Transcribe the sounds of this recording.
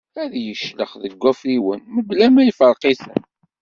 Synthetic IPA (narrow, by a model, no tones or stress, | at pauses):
æðjəʃlə̰χðəɡʷːæfɾiwənməblæmæjfəɾˤqiθə̰n